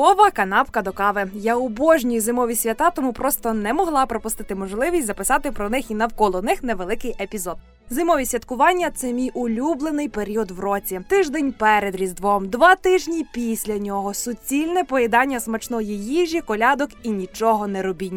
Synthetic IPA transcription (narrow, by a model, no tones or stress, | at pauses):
ɔʋɐkɐnɑpkɐd̪ɔkɑʋɪjaʊbɔʒnʲijizɪmɔʋʲisʲʋʲɐt̪ɑt̪ɔmupɾɔst̪ɔnɛmɔɦlˠɑpɾɔpʊst̪ɪt̪ɪmɔʒlˠɪʋʲisʲtʲzɐpɪsɑt̪ɪpɾɔnɪxinɐwkɔlˠɔnɪxnɛʋelˠɪkɪjepʲizɔd̪̚ | zɪmɔʋʲisʲʋʲɐt̪kʊʋɑnʲːɐt̪sɛmʲijʊlʲublˠenɪjpeɾʲiɔd̪ʋrɔt͡sʲit̪ɪʒd̪ɛnʲpɛɾed̪ɾʲizd̪ʋɔmd̪ʋɑt̪ɪʒnʲipʲisʲlʲɐnʲɔɦɔsʊt͡sʲilʲnɛpɔjɛd̪ɑnʲːɐsmɐt͡ʃnɔjijiʒʲikɔlʲɑd̪ɔkinʲit͡ʃɔɦɔnɛɾɔbʲinʲː